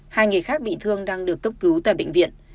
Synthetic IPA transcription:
haː˧jŋɨ˨˩jxaː˦˥k̚ɓḭ˧˨t̪ʰɨ˧əŋɗaː˧ŋɗɨ˨˩ək̚ːə˦˥wk͡p̚kɨ˨˦wt̪a̰ː˧˨jɓḛ˧˨ŋ̟vḭ˧˨ən

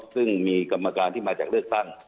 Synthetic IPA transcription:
sɯ˥˩ŋmiː˧ka˧mːa˧kaː˧nt̪ʰiː˥˩maː˧t͡ɕaː˨˩klɯ˥˩ək̚t̪a˥˩ŋ

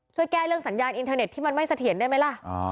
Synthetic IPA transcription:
t͡ɕʰu˥˩əjkɛː˥˩lɯ˥˩əŋsa˩˦njaː˧nʔi˧nt̪ʰɤː˧ne˨˩t̪ʰːiː˥˩ma˧nma˥˩jsa˧t̪ʰi˨˩˦əndaː˥˩jma˦˥jla˧˥˩ʔ

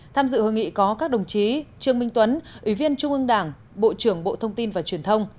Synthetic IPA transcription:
t̪ʰaː˧mzɨ̰˧˨ho˧˩jŋḭ˧˨kɔ˨˦kaː˦˥k̚ɗə˨˩wŋ͡mt͡ɕi˨˦t͡ɕɨ˧˩əŋmï˧ŋ̟t̪wə˨˦nʔwi˧˩vi˧ənt͡ɕʊ˧ŋ͡mʔɨ˧ŋɗaː˧˩ŋ | ɓo̰˧˨t͡ɕɨ˧˩əŋɓo̰˧˨t̪ʰə˧wŋ͡mt̪i˧nvaː˨˩t͡ɕwi˨˩ənt̪ʰə˧wŋ͡m

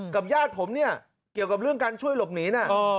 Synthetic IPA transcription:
ka˨˩p̚jaː˥˩t̪̚pʰo˩˦mni˥˩ɐ | ki˨˩əwka˨˩p̚ɾɯ˥˩əŋkaː˧nt͡ɕʰu˥˩əjlo˨˩p̚niː˩˦na˦˥˩

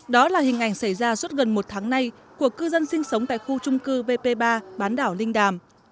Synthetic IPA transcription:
ɗɔ˨˦laː˨˩hï˨˩ŋ̟ʔa˧˩jŋ̟sa˧˩jzaː˧swt̚ɣə˨˩nmo˨˩t̚t̪ʰaː˨˦ŋna˧j | ku˧˩əkːɨ˧zə˧nsï˧ŋ̟sə˨˦wŋ͡mt̪a̰ː˧˨jxu˧t͡ɕʊ˧ŋ͡mkɨ˧ve˧pe˧ɓaː˧ɓaː˨˦nɗaː˧˩wlï˧ŋ̟ɗaː˨˩m

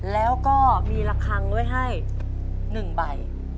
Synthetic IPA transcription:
lɛː˦˥wkɔː˥˩miː˧la˧kʰːa˧ŋdu˥˩əjɦa˥˩j | nɯ˨˩ŋba˨˩j

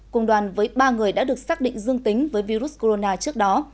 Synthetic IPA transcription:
kʊ˨˩wŋ͡mɗwaː˨˩nvəː˨˦jɓaː˧ŋɨ˨˩əjɗa̰ː˧˥ɗɨ˨˩ək̚saː˦˥k̚ɗḭ˧˨ŋ̟zɨ˧əŋt̪ï˨˦ŋ̟vəː˨˦jvi˧ɾu˦˥s̚ko˧ɾo˧naː˧t͡ɕɨ˦˥ək̚ɗɔ˨˦

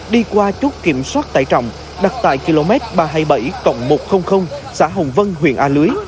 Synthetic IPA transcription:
ɗi˧kwaː˧t͡ɕu˦˥t̚ki˧˩əmswaː˦˥t̚t̪a̰ː˧˩˨jt͡ɕɔ̰˧˨wŋ͡m | ɗa˨˩t̚t̪a̰ː˧˨jki˧lo˧mɛ˦˥t̚ɓaː˧ɦaː˧jɓə˧˩jkə̰˧˨˩wŋ͡mmo˨˩t̚xə˧wŋ͡mxə˧wŋ͡msaː˧˥ɦə̰˨wŋ͡mvə˧nɦwḭ˧˨ənʔaː˧lɨ˨˦əj

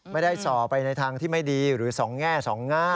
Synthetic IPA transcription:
ma˥˩jda˥˩jsɔː˨˩pːa˧jna˧jt̪ʰaː˧ŋt̪ʰiː˥˩ma˥˩jdiː˧ɾɯː˩˦sɔː˩˦ŋːɛː˥˩sɔː˩˦ŋːaː˥˩

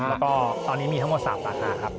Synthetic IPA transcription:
lɛː˦˥kɔː˥˩t̪ɔː˧nːiː˦˥miː˧t̪a˦˥ŋmo˧˩tsa̰ː˨˩p̚sa̰ː˨˩t̪̚naː˧˥˩kʰa˦˥p̚

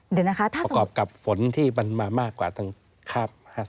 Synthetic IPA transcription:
d̪ɯ˨˩˦na˦˥kʰa˦˥t̪ʰaː˥˩˧kɔː˨˩p̚ka˨˩p̚fo˨˩˦nt̪ʰiː˥˩ma˧nmaː˧maː˥˩kːwaː˨˩t̪ʰa˥˩ŋ | kʰaː˥˩m̚haː˥˩s

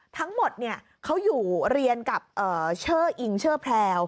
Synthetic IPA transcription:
t̪ʰa˦˥ŋmo˨˩t̪̚ni˥˩ɐ | kʰa˦˥wjuː˨˩ɾi˧ənka˨˩p̚ʔɤː˨˩t͡ɕʰɤː˥˩ʔi˧˩ŋt͡ɕʰɤː˥˩pʰlɛː˧w

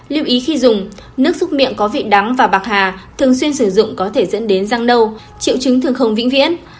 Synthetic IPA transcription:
li˧əwʔi˨˦xi˧zʊ˨˩ŋ͡m | nɨ˦˥ək̚sʊ˦˥k͡p̚mḭ˧˨ənkɔ˨˦vḭ˧˨ɗa˨˦ŋvaː˨˩ɓaː˨˩t̚haː˨˩t̪ʰɨ˨˩əŋs̬wi˧ənsɨ˧˩zʊ̰˧˨ŋ͡mkɔ˨˦t̪ʰe˧˩zə̰˧˥nɗe˨˦nzaː˧ŋɗə˧w | t͡ɕḭ˧˨wt͡ɕɨ˨˦ŋt̪ʰɨ˨˩əŋxə˧wŋ͡mvḭ˧˥ŋvḭ˧˥ən

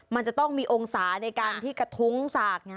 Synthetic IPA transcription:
ma˧nt͡ɕa˨˩t̪ɔ˥˩ŋmiː˧ʔoː˧ŋsaː˩˦na˧jkaː˧nt̪ʰiː˥˩ka˧˩t̪ʰu˦˥ŋsaː˨˩k̚n˧˥˩

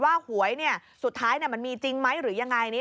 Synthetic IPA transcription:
waː˥˩hu˩˦əjni˥˩ɐsu˨˩t̪ʰːaː˦˥jni˥˩ɐma˧nmiː˧t͡ɕi˧ŋma˦˥jɾɯː˩˦ja˧ŋːa˧jni˦˥

